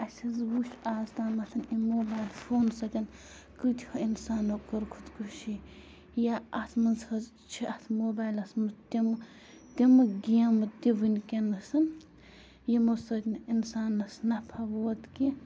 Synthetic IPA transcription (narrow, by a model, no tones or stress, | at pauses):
ɐsʲɐzwuʃʲaːzt̪aːnmɐɬʰɐnimoːbaːjlfoːnsɐt̪ʲɐn | kɨt̪ʲʰihɐinsaːnokəɾkʰut̪kuʃi | jaɐt̪ʰmɐnshɐz | t͡ʃʰiɐt̪ʰmoːbaːjlɐsmɨt̪ʲimɨ | t̪ʲimɨɡiɐmɨt̪ʲiʋɨnʲkʲenɐsɨn | jimosɐt̪ʲninsaːnɐsnɐpʰɐʋoːt̪ki